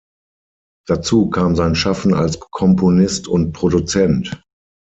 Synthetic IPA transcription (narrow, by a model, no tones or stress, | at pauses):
d̥at͡suːkʰaːmzaɪnʃafn̩a̰lskʰɔmpʰonɪstʊnt̚pʁ̥odut͡sɛnt